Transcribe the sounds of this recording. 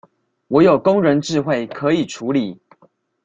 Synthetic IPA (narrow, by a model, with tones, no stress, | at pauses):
wɔ˨˦jo˨˩ʊko˦ŋɻə˨˦nʈ͡ʂɻ̩˥˧xwe˥˨ɪkʰɤ˨˧˦i˨˩ʈ͡ʂʰu˨˦li˨˩˦